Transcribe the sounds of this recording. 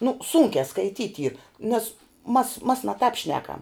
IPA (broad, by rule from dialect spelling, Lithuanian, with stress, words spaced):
nʊ ˈsuːŋʲkʲæː skɐɪˈtʲiːtʲ iːr nʲɛs mɐs mɐs nɐ tɑːp ˈʃʲnʲæːkɐm